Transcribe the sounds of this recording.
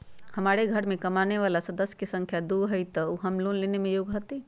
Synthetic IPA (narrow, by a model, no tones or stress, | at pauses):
həmaɾeɡʱəɾmekəmaneʋalasəd̪əsjə̥kesə̃ŋkʰjad̪uɡɦəjt̪ɔuɦəmlonlenemejoɡɦət̪i